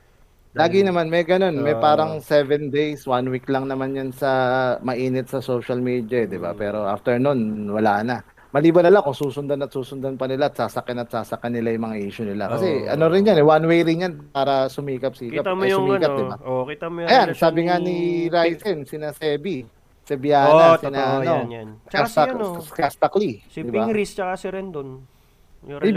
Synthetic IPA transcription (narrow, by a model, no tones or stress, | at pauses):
laːɡɪnɐmanmɐjɡɐno̞nmɐjpaːɾɐŋsɛvɛnd̪ejswanwiklɐŋnɐmanjansɐmɐʔiːnɪt̪sɐsoʃɐlmiːd̪jɐɛd̪ɪba̰pɛːɾo̞ʔa̰ːft̪ɛɹnunwɐlaːʔnɐ | mɐliːbɐnɐlaŋkoŋsuːsʊnd̪anɐt̪̚suːsʊnd̪anpɐnɪlaːɐt̪̚saːsɐkɐnɐt̪saːsɐkːanːɪlajʊŋmɐŋaʔiːʃʊnɪla̰kɐsɛɐ̰no̞ɾɪnjanɛwanwejɾɪnjanpaːɾɐsʊmiːkɐp̚siːkapsʊmiːkɐt̪d̪ɪbakit̪ɐmjɐjansaːbɪŋaniɾajsɛnsɪnasɛːbi | sɐbjaːasɪnaʔɐnoasɐkast̪ɐklid̪ɪbaɾisasɾɛnd̪on